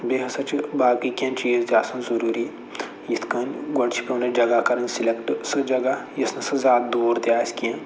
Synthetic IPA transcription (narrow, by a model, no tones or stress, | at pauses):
beɦɐsɐt͡ʃʰibaːkikʲɐ̃nt͡ʃiːzd͡ʒaːsɐnzɐɾuːɾi | jit̪ʰkɐnɡɐɳt͡ʃʰi̥peuned͡ʒɐɡakɐɾɐnsilekʈsɨd͡ʒɐɡajisnɐsɨzaːd̪̚d̪oːɾd̪jaːiskiɐ̃